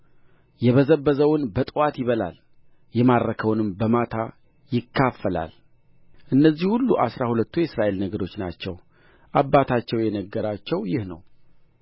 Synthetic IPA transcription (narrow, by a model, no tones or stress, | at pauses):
jɛβəzəbːəzəwʊnbət̪ʼwat̪jɪβəla̰l | jɛmaɾɾəkʰəwnɨmbəmat̪ʰa | jɪkʰːafːəla̰l | ʔɨnːəzːihulːuʔasɾahulət̪ːujɛɪsɾaʔelnəɡəd̪o̞t͡ʃːna̰t͡ʃːɛw | ʔabːat̪ʰat͡ʃːɛwjɛnəɡːəɾat͡ʃːɛwjɪhnə̰w